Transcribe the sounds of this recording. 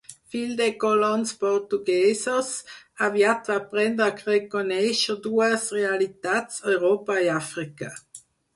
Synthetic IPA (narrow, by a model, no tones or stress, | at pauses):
fildekɔlɔnspɔʁt̪uɡɛːsəsavjat̪vapʁɛndakʁekonɛʃəduːəsʁealit̪at͡sɔʏʁoːpaiafʁika